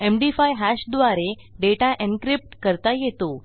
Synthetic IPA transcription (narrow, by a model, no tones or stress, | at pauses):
emɖifajɦæɕd̪ʋaɾe | ɖeʈaʔenkɾip̚ʈkəɾt̪ajet̪o